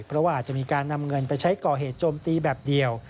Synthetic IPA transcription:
pʰɾɔ˦˥waː˧ʔaː˨˩t̪̚t͡ɕa˨ʔmiː˧kaː˧nːa˧mŋɤ˧npa˧jt͡ɕʰa˦˥jkɔː˨˩ɦeː˨˩t̪̚t͡ɕoː˧mt̪iː˧bɛː˨˩p̚di˨˧əw

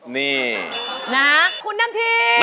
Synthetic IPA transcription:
ni˧˩na˨˦kʰu˧nːa˧˥mt̪ʰiː˧˩

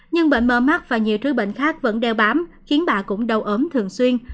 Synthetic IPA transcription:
ɲɨ˧ŋɓḛ˧˨ŋməː˧˩ma˦˥t̚v̥aː˨˩ɲi˨˩əwt͡ɕɨ˦˥ɓə̰˧˨ŋ̟xaː˦˥k̚və̰˧˥nɗɛ˧wɓaː˨˦mxi˨˦ənɓa̰ː˧˨kʊ̰˧˥ŋ͡mɗə˨˩wʔəː˨˦mt̪ʰɨ˨˩əŋswi˧ən

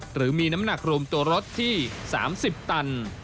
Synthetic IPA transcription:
ɾɯː˩˦miː˧na˦˥mna˨˩k̚ɾu˧mt̪u˧ɐɾo˦˥t̪ʰːiː˥˩sa̰ː˩˦msi˨˩p̚t̪a˧n

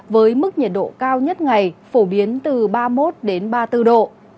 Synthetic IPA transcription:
vəː˨˦jmɨ˦˥k̚ɲə˨˩t̚ɗo̰˧˨kaː˧wɲə˦˥t̚ŋa˨˩jfo˧˩ɓi˨˦ənt̪ɨ˨˩ɓaː˧mo˦˥t̚ɗe˨˦nɓaː˧t̪ɨ˧ɗo̰˧˨

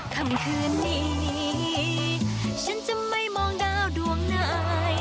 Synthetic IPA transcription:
kʰa˧˩mkʰɯː˧nːiː˧˩i˧ | t͡ɕʰa˦˥nt͡ɕa˧˨ma˥˩jmɔː˧ŋdaː˧˩˨wdu˧əŋna˧˩˧j

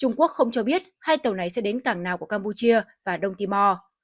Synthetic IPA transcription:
t͡ɕʊ˧ŋ͡mku˦˥ək̚xə˧wŋ͡mt͡ɕɔ˧ɓi˦˥ət̚haː˧jt̪ə˨˩wna˨˩jsɛ̰˧˥ɗe˨˦nkaː˧˩ŋnaː˨˩wku˧˩əkaː˧mpu˧t͡ɕi˧əvaː˨˩ɗə˧wŋ͡mt̪i˧mɔ˧

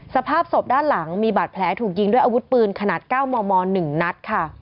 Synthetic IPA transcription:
sa˧pʰaː˥˩p̚so˨˩p̚daː˥˩nla˩˦ŋmiː˧baː˨˩t̪̚pʰlɛː˩˦˥t̪ʰuː˨˩k̚ji˧ŋdu˥˩əjʔa˧wu˦˥t̪̚pɯː˧nkʰa˧naː˨˩t̪̚kaː˥˩wmɔː˧mɔː˧nɯ˨˩ŋna˦˥t̪̚kʰa˥˩

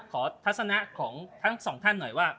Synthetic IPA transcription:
kʰɔː˩˦t̪ʰa˦˥t̪̚sa˧na˦˥ʔkʰɔː˩˦ŋt̪ʰa˦˥ŋsɔː˩˦ŋt̪ʰa˥˩nːɔ˨˩jwaː˥˩

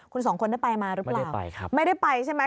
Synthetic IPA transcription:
kʰu˧ns̬ɔː˩˦ŋkʰo˧nda˥˩pa˧jmaː˧ɾɯ˦˥plaː˩˨˩a̰˧ma˥˩jda˥˩jpa˧jt͡ɕʰa˥˩jma˦˥

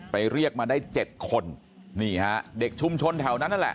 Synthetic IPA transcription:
pa˧jɾi˥˩ək̚maː˧daː˥˩jt͡ɕe˨˩t̪̚kʰo˧n | niː˥˩ha˦˥ʔde˨˩k̚t͡ɕʰu˧mt͡ɕʰo˧nt̪ʰɛ˩˦wna˦˥nːa˥˨lɛ̰˨˩

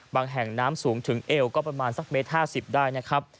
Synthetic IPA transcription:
baː˧ŋɦɛ˨˩ŋnaː˦˥msuː˩˦ŋt̪ʰɯ˩˦ŋʔeː˧wkɔː˥˩pɾa˧maː˧nsa˨˩k̚meː˦˥t̪̚haː˥˩si˨˩p̚daː˥˩jna˦˥kʰɾa˦˥p̚

